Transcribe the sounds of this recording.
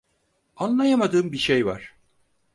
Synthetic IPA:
anlˠajamad̪ɯːmbiʃejva̰ɾ̥

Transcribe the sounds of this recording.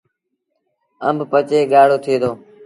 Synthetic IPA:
əmbʱpət͡ʃeːɠaːɽoːt̪ʰeːd̪oː

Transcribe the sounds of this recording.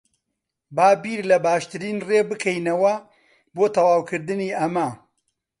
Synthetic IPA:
baːbiːɾlɐbaːʃt̪ɨɾiːnreːbɨkʰɛjnɐwɐ | boːt̪ʰɐwaːwkʰɨɾd̪ɨniːʔɐmɐ

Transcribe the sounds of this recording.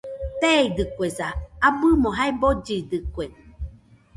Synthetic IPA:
t̪eid̪ɨkʷesaabɨmoɦaebod͡ʒid̪ɨkʷe

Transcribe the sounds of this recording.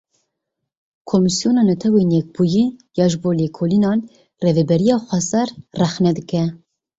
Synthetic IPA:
kʰomisijoːnɑːnɛt̪ʰɛwenjɛk̚buːjijɑːʒɨboːleːkʰoːlinɑːn | revɛbɛɾijɑːxʷɛsɛɾrɛxnɛd̪ɨkɛ

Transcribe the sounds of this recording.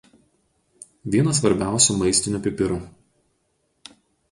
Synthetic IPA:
ʋʲiɛnɐs̬ʋɐɾʲbʲæˑʊsʲuˑmɐɪsʲt̪ʲɪnʲupʲɪpʲɪɾu

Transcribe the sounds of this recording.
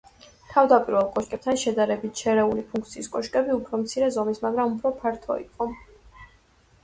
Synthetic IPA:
t̪ʰavd̪apʼiɾvɛlˠkʼɔʃkʼɛp̚t̪ʰanʃɛd̪aɾɛbit̪̚ʰʃʰɛɾɛulipʰũŋk̚ʰt̪sʰiːskʼɔʃkʼɛbiupʰɾɔmt̪sʰiɾɛzɔmismaɡɾamupʰɾɔpʰaɾt̪ʰɔ̰ḭqʼɔ

